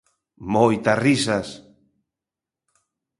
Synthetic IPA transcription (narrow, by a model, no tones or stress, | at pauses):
mojt̪arisas